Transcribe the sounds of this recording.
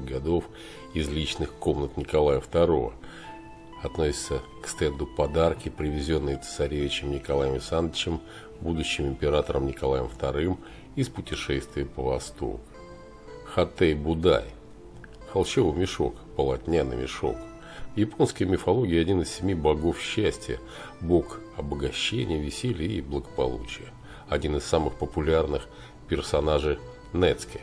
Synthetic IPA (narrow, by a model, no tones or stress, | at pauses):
ɡɐd̪o̞f | ɪzlʲit͡ɕnɨxko̞mnət̪nʲɪkɐlˠajəft̪ɐɾo̞və̰ | ɐt̪nosʲɪ̥t̪səkst̪ɛnd̪ʊpɐd̪arkʲɪpɾʲɪvʲɪzʲo̞nːɨjəə̥sɐɾʲevʲɪt͡ɕɪmnʲɪkɐlˠajəmɪsanːət͡ɕɪm | bud̪ʊɕːɪmɪmʲpʲɪɾat̪əɾəmnʲɪkɐlˠajə̰mft̪ɐɾɨm | ispʊtʲɪʂɛst̪vʲɪjəpəvɐst̪o̰k | xɐt̪ɛjbʊd̪a̰j | xɐlˠɕevɨmʲɪʂo̞̰kpəlˠɐtʲnʲanɨ̰mʲɪʂo̞̰k | vjɪpo̞nskəjəmʲɪfɐlˠo̞ɡʲɪəɐdʲinɨssʲɪmʲibɐɡo̞fɕːæsʲtʲɪjə̰ | bo̞kɐbəɡɐɕːenʲɪjəvʲɪsʲelʲɪjiblˠəɡəpɐ̰lˠṵt͡ɕɪjə | ɐdʲinɨsːamɨxpəpʊlʲarnɨx | pʲɪrsɐnaʐɨj | nɛt̪skʲɪ